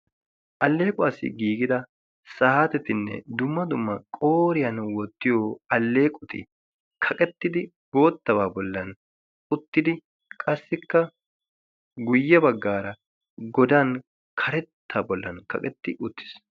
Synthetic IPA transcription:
ʔɐlːe̞ːkʼʊɐsɪ̰ɡiːɡɪd̪ɐ | sɐhat̪ɛt̪ɪnːɛ̰d̪ʊmːɐd̪ʊmːɐkʼo̞ːɾɪjɐnwɔt̪ːɪjoːɐlːeːkʼʊt̪ɪ̰ | kʰɐkʼɛt̪ːɪd̪ɪ | bo̞ːt̪ːɐbaːbɔlːɐn | ʊt̪ːɪd̪ɪ | kʼɐsːɪkːɐ | ɡʊjːɐbɐɡːaːɾɐ | ɡɔd̪ɐn | kʰɐɾɛt̪ːaːbɔlːɐnkɐ̰kʼɛt̪ːɪʔʊt̪ːɪ̥s

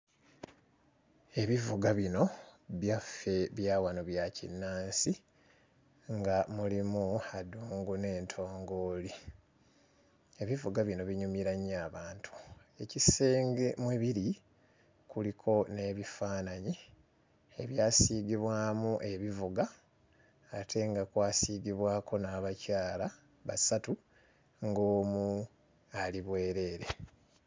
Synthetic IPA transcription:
e̞βivuɡaβino̞βjafe̞βjaːwanoβjacḭnːaːnsi | ŋɡamulimuaduːŋɡune̞ːntʰo̞ːŋɡo̞ːli | e̞βivuɡaβino̞βiɲumiɾaɲaːβaːntʰu̥e̞ciseːŋɡemweβiɾi | kulikʰo̞ne̞βifaːnaɲi | eβjaːsiːɡiβwaːmuʔe̞βivuɡaː | tʰe̞ŋɡakwaːsiːɡiβwaːkʰo̞naːβacaːla | βasatu | ŋɡo̞ːmu | aliβwe̞ːɾe̞ːɾe̞

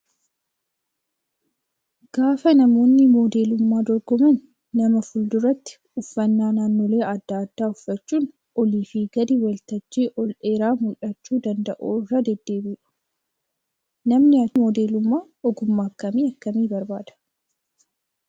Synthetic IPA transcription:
ɡ̥aːfɐnɐmo̞ːnːɪmoːd̪e̞ːlʊmːaːd̪ɔɾɡɔmɐnː | ɐmɐfʊld̪ʊrɐt̪ːɪ̥ | ʊfːɐnːaːnaːnːoːle̞ːɐd̪ːaːd̪ːaːʊfːɐt͡ʃːuːn | ʔɔliːfiɡɐd̪ɪwɐlt̪ɐt͡ʃːiːʔɔlᶑeːɾaːmʊᶑɐt͡ʃːuːd̪ɐnd̪ɐʔoːɪrːɐd̪ɛd̪ːe̞ːbiːᶑʊ̥ | nɐmnɪɐmɔːd̪e̞ːlʊmːaː | ɔɡʊmːaːkːɐmiːɐkːɐmiːbɐɾbaːd̪ɐ̥

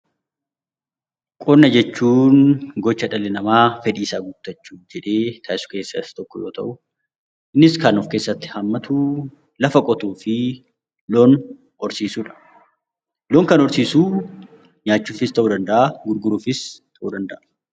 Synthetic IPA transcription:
kʼɔnːɐd͡ʒɛt͡ʃːuːnɡɔt͡ʃːɐᶑɐlɛnɐmaːfɛᶑiːsaːɡʊbt̪ːɐt͡ʃːuːd͡ʒɛᶑe̞ːt̪ʰɐʔɪsʊ̥ke̞ːsːɐst̪ɔkːɔjoːt̪ɐ̰ʔʊ | ʔɪnːɪskɐnɔfke̞ːsːɐt̪ːɪ̥hɐmːɐt̪ʰu | lɐfɐkʼɔt̪uːfɪ | loːn | ɔɾsiːsuːᶑɐ̥ | loːŋkɐnɔɾsiːsuː | ɲaːt͡ʃːuːfɪst̪ɐʔuːd̪ɐnd̪ɐʔɐɡʊɾɡʊɾuːfɪst̪ʰɐʔud̪ɐnd̪ɐʔɐ

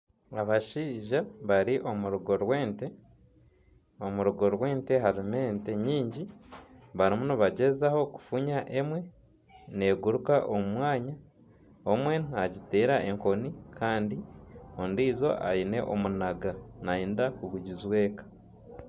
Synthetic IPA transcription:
aβaʃiːʒaβaɾiʔo̞muɾuɡo̞ɾwe̞ːnte | o̞muɾuɡo̞ɾwe̞ːnte̞ɦaɾime̞ːnte̞ɲiːɲɟi | βaɾimunuβaɟezaho̞ku̥fuɲaʔe̞mwe̞ | ne̞ːɡuɾukaʔomumwaːɲa | omwe̞naɟiteːɾaʔe̞ŋko̞nikʰaːndiondiːzo̞̰ʔa̰ine̞ʔomunaɡanaiːndakuɡuɟizwe̞ːkḁ

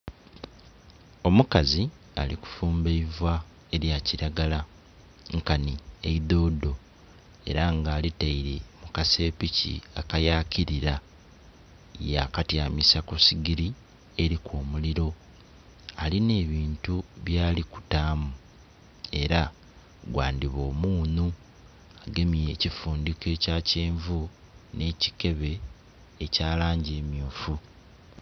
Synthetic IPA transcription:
o̞mukazi | a̰liku̥fuːmbeivwa | e̞ɾjaciɾaɡala | ŋkaniḛiðo̞ːdo̞ | e̞̰ɾaŋɡaːlitaiɾe̞mukase̞ːpicḭakajaːciɾiɾa | ja̰katjaːmisakosiɡiɾi | e̞ɾikoːmuliɾo̞ | aline̞ːβiːntuβjaːliku̥taːmu | e̞ɾa | ɡwaːndiβo̞ːmuːnu | aɡemieːcifuːndike̞ːcaceːɱvu | ne̞ci̥ke̞βe̞ː | caːlaːɲɟeːmjuːfu

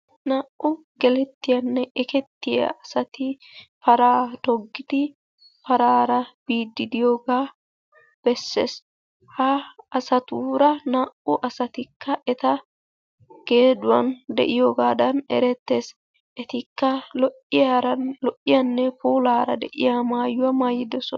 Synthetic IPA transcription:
naːʔʊ | ɡɛlɛt̪ːɪjɐnːɛʔɛkɛt̪ːɪjɐ̰ɐsɐt̪ɪ | fɐɾaːt̪ɔɡːɪd̪ɪ | fɐɾaːɾɐb̥iːd̪ːɪd̪ɪjo̞ːɡaː | b̥ɛsːḛːs | hɐːsɐt̪uːɾɐnaːʔʊʔɐsɐt̪ɪkʰːɐʔɛt̪ɐ | ɡ̥e̞ːd̪ʊwɐnd̪ɛ̰ʔɪjoːɡaːd̪ɐnɛ̰ɾɛt̪ːe̞ːs | ʔɛt̪ɪkːɐlɔʔːɪjaɾɐlɔʔɪjɐnːɛpuːlaːɾɐ̰d̪ɛʔɪjaːmaːjʊwamaːjːɪd̪ɛsɔn

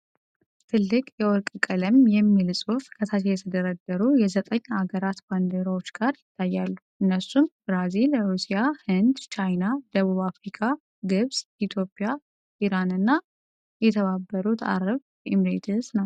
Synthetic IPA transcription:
t̪ʰɨlːɨkʼjɛwɔɾkʼkʼələmjɛmːilsʼufkʰət̪ʰat̪ʰejɛt̪ʰəd̪əɾəd̪ːəɾujɛzət̪ʼəɲːaɡəɾat̪band̪eɾawo̞t͡ʃːɡaɾjɪt̪ʰːajːalːuʔɨnːəsːumbɾazilɾusijahɨnd̪t͡ʃʰajnad̪əβuβafɾikʰa | ɡɨβsit̪ʰjo̞pʼija | ʔiɾanɨnːa | jɛt̪ʰəβabːəɾut̪ʰa̰ɾəβ | imɾet̪ʰɨznəw

